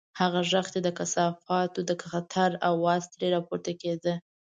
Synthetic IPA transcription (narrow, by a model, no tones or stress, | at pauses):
haɣaʒəxt̪ed̪əkasɑfɑt̪od̪əkxat̪ʰaɾawːɑst̪ɾeɾɑpoɾt̪aked̪ə